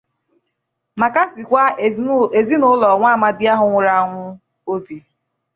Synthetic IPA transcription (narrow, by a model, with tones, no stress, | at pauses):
ma˨ka˦sɪ˨kʷa˦e˨zi˦nʊ˦lɔ˨ŋʷa˦˨ma˨dɪ˦a˦ɦʊ˨ŋʷʊ˦ɾa˨˦˨ŋʷʊ˦ | o˦bi˨